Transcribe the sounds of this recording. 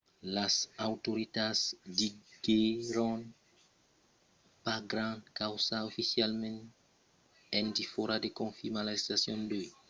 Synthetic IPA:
lasawt̪oɾit̪adzdiɡeɾõn | paɡɾãnkawsaofisjalmẽn | ɛ̃nd̪ifoɾad̪ekõfimalast̪asjõnd̪oj

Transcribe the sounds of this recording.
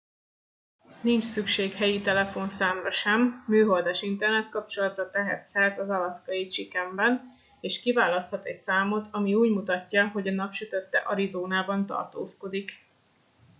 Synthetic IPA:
nint͡ʃsykʃeːkhɛjit̪ɛlɛfo̞nsaːmrɒʃɛmːyːɦo̞ld̪aːʃint̪ɛrnɛt̪kɒpt͡ʃo̞lɒt̪rɒt̪ɛɦɛ̰t̪sɛlt̪ɒzɒlɒskɒjit͡ʃikɛmbɛn | eːʃkivaːlɒst̪hɒt̪ɛcsaːmo̞t̪ʰɒmiuːɟmut̪ɒcːɒɦo̞ɟɒnɒpʃyt̪øt̪ːɛʔɒɾizoːnaːbɒnt̪ɒ̰rt̪o̰ːsko̞d̪ik

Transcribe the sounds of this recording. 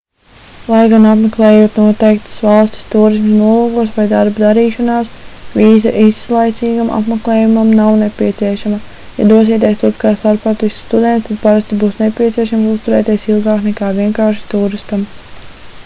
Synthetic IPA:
lˠajɡanapmeklˠɛːjuɔt̪nuɔt̪ɛjk̚t̪ə̥svalˠsʲt̪ʲi̥st̪uːɾis̬msnuɔluːɡuɔsʋvajd̪aɾbud̪aɾiːʃɔnaːsviːzaʔisːlˠajt̪siːɡamʔa̰pmeklˠɛːjumamnawnepʲiɛt̪siɛʃamɐ | ja̰d̪uɔsiɛːt̪ʲiejst̪uɾpkaːsaɾpat̪isʲst̪ud̪ɛnt̪t̪ad̪̚paɾast̪ibuːsnepʲiɛt̪siɛʃamsust̪uɾɛːt̪iɛsilˠɡaːknɛkaːviɛŋkaːɾʃi̥t̪uːɾist̪am

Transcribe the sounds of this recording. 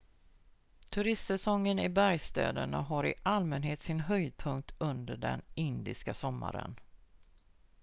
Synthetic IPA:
t̪ʰɵɾɪst̪sɛsɔŋːənɪbæɾjst̪ɛ̰ːd̪əɳaɦaɾɪʔalmɛnɦeːt̪sɪnɦœjd̪̚pʰɵŋk̚t̪ʰɵnd̪əɖɛ̰nɪnd̪ɪskasɔmːa̰ɾə̰n

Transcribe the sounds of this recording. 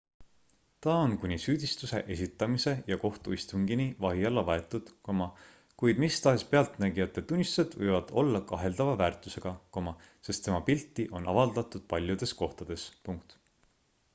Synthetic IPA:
t̪ɑonkunʲisyːd̪̥ist̪use̞̰ʔe̞s̬ʲit̪ːˑɑmise̞jɑko̞ht̪uist̪uŋɡinivɑɦiɑlːɑvɑe̞t̪ːˑud̪̥komɑ | kujd̪̥mist̪ɑɦe̞spe̞ɑlt̪næɡ̥iɑt̪ːˑe̞t̪ːunʲːist̪sed̪̥vɤjvɑd̪̥o̞lːɑkɑɦe̞ld̪̥ɑvɑvæːrt̪ˑuse̞ɡ̥ɑkomɑ | se̞st̪ːe̞mɑpilt̪ˑːiʔo̞nɑ̰vɑld̪ɑt̪ˑud̪̥̚pɑlʲjud̪̥e̞sko̞ht̪ɑd̪̥e̞spuŋk̚t̪

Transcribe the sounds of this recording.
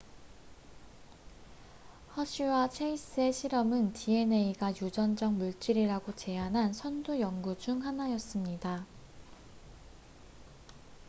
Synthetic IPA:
hʌɕ͈ʰiwat͡ɕʰeis͈ɯe̞ɕʰiɾʌmɯntie̞ne̞iɡajud͡ʑʌnd͡ʑʌŋmuɭt͡ɕ͈iɾiɾaɡot͡ɕe̞anɦansʰʌndujʌŋɡud͡ʑuŋɦanajʌs͈ɯmɲida

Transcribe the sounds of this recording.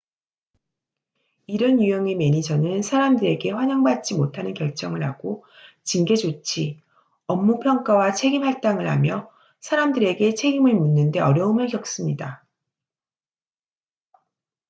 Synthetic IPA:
iɾʌnjujʌŋe̞me̞ɲid͡ʑʌnɯnsʰaɾamdɯɾe̞ɡe̞ɸwaɲaŋbat̚t͡ɕ͈imotʰanɯnkjʌɭt͡ɕ͈ʌŋɯɭɦaɡo | t͡ɕiŋɡe̞d͡ʑot͡ɕʰi | ʌmːupʰjʌŋk͈awat͡ɕʰe̞ɡimhaɭt͈aŋɯɭha̰mjʌ | sʰaɾamdɯɾe̞ɡe̞t͡ɕʰe̞ɡimɯɭmunːɯnde̞ʌɾjʌumɯɭkjʌk̚s͈ɯmɲida

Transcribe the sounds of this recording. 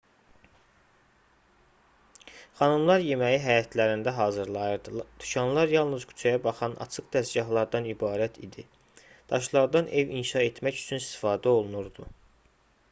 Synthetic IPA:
χɑnɯmlˠɑɾje̞mæjiɦæjɑt̪ʰlæɾind̪æɦɑːzɯɾlˠɑjɯɾd̪ɯd̪̥yʃɑnlˠɑɾjɑlˠnɯzkʰy̥t͡ʃʰæjɑbɑχɑnɑ̰t͡ʃʰɯkd̪̥æsɟɑɦlˠɑɾd̪ɑnibɑːɾæt̪ʰḭd̪i | d̪̥ɑʃlˠɑɾd̪ɑnʔe̞vḭnʃɑe̞t̪ʰmæcy̥t͡ʃʰynist̪ʰi̥fɑːd̪æo̞lˠunuɾd̪u

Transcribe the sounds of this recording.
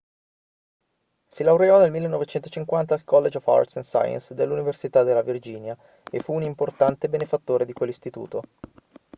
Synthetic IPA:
silawɾeɔnelmilːenːɔvet͡ʃɛnt̪ot͡ʃiŋkwant̪aːlkɔlːed͡ʒɔva̰rt̪sensa̰ja̰nsd̪elːuniversit̪ad̪elːavird͡ʒiːnja | efuːnimport̪ant̪ebenefat̪ːoːɾed̪ikwelːist̪it̪ṵːt̪o

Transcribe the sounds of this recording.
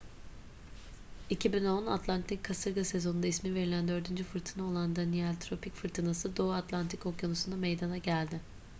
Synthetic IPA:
icʰibino̞na̰t̪ʰlˠant̪ʰikʰːasɯɾɡase̞zo̞nund̪aismive̞ɾilʲænd̪ø̞ɾd̪ynd͡ʒyfɯɾt̪ʰɯnao̞lˠand̪anialʲt̪ʰɾo̞picfɯɾt̪ʰɯnasɯd̪o̞at̪lˠant̪ʰiko̞kjonusund̪amejd̪anaɟælʲd̪ɪ

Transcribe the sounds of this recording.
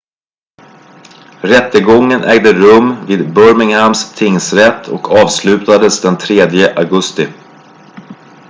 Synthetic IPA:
ɾɛt̪ːəɡɔŋːənʔɛːɡd̪əɾɵmːviːd̪bœɾmɪŋhamst̪ʰɪŋsɾɛt̪ʰːɔ̰kʰɑːvslʉ̟ːt̪ad̪əsd̪ɛnt̪ʰɾeːd̪jəʔaɡɵst̪ɪ

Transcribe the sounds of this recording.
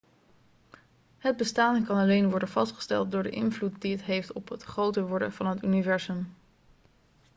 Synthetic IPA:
ɦəd̚bəstaːnkɑnɑlejnʋɔɹdənvɑstχə̥stɛ̰lˠt̚dʊːɹdə̰ʔɪnvlutdiətɦejftɔpɦətχrowtəʋɔɹdəv̥ɑnɦətynivɛɹzɵm

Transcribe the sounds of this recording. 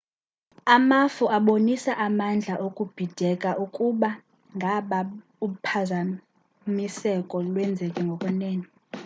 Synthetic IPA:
amafuaɓonisaʔamand͡ɮʱaʔokʼub̥ʱid̥ʱɛkʼaʔukʼuɓa | ŋɡʱaɓa | upʰaza | misɛkʼɔlwɛnd͡zʱɛkʼɛŋɡʱɔkʼwɛnɛːnɔ

